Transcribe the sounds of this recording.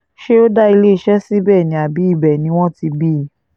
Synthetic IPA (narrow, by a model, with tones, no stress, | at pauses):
ʃe˦o˦da˦i˧le˦˨ʃɛ˦si˦bɛː˦˨nĩ˨˦a˨bi˨˦i˦˨bɛ˨nĩ˧˦w̃ɔ̃˦ti˧bi˦˨˦